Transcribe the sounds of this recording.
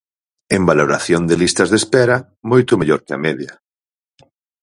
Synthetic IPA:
embaloɾaθjond̪ɪlist̪ɐzðespɛɾɐ | mojt̪ʊmeʎoɾkɪɐ̰mɛðjɐ

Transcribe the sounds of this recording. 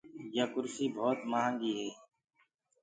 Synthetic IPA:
jakʊɾsiːbʱoːt̪maɦãŋɡiːɦɛː

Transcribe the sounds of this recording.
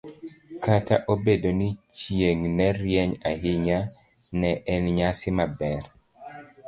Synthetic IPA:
kʰata̰ʔobedonit͡ʃjeŋnɛɾjɛɲaɦɪɲa | nɛʔɛnɲasɪmabɛɾ

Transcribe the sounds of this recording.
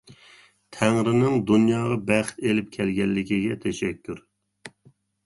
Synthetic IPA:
t̪ʰæŋɾɪnɪŋd̪unjɑːʁɑbæχt̪elɪp̚kʲʰɛlɡʲɛlːɪkʲiɡʲɛt̪ʰɛʃɛkʲʰːyɾ

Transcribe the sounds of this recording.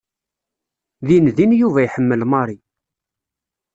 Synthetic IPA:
ðinðinjuvæjħəmːəlmɑɾˤi

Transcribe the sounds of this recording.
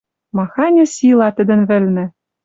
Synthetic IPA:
mɑxɑnʲɤ̆sʲilˠɑt̪ɘ̆d̪ɘ̆nβɘ̆lʲnɘ̆

